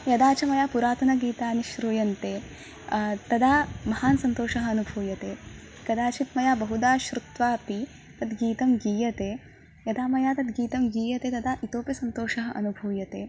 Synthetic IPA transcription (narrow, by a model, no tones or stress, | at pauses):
jɐd̪aːt͡ʃɐmɐjaːpuɾaːt̪ɐnɐɡiːt̪aːniʃɾuːjɐnt̪eː | t̪ɐd̪aːmɐhaːnsɐnt̪oːʃɐɦɐɐnubʱuːjɐt̪eː | ɡ̥ɐd̪aːt͡ʃʰit̪mɐjaːbɐɦud̪aːʃɾut̪ʋaːpi | t̪ɐd̪ɡiːt̪ɐmɡiːjɐt̪eː | jɐd̪aːmɐjaːt̪ɐd̪ɡiːt̪ɐmɡiːjɐt̪eːt̪ɐd̪aːʔit̪oːpjɐsɐnt̪oːʃɐɦɐʔɐnubʱuːjɐt̪eː